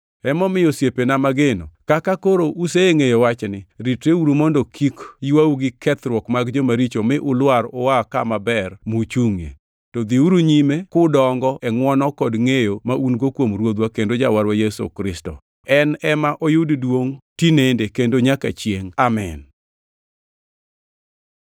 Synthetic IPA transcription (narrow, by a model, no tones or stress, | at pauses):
ɛmɔmɪjosjepenamaɡenokakakoɾoʔuseeŋejowat͡ʃnɪɾitɾeuɾumondokʰikjiwauɡɪkʰɛt̪ɾwɔkmaɡd͡ʒomaɾit͡ʃomɪʔʊlwaɾɔwakamabɛrmut͡ʃuŋḛ | tɔd̪iuɾuɲimekʊdɔŋɡɔʔɛŋwɔnɔkɔdŋejomaʔunɡokwomɾwod̪wakendod͡ʒawaɾwajɛso̰kɾɪstɔ̰ | ɛnɛmaʔojʊddwoŋtinendekendoɲaka̰t͡ʃjeŋamɛn